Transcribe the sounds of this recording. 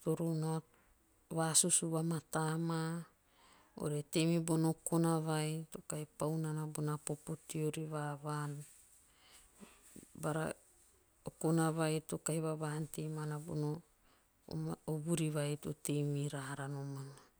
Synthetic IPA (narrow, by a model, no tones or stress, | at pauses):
toɾona | βasusuβamatama | o̰ɾetemibonokonaβajto̞kajpawnanabonapopotioɾiβaβan | baɾa̰ | okonaβajtokajβaβantemanabo̰no | oβuɾiβajtotejmiɾaɦaɾanomana